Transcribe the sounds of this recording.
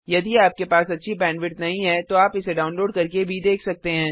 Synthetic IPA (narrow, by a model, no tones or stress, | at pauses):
jɐd̪iaːp̚kepaːsɐtːʃʰibɛ̃ːɳɖʋɪʈnɐɦĩɦɛt̪oaːpɪseɖaːʊnloːɖkɐɾkebʱid̪eːkʰsɐk̚t̪eɦɛ̃ː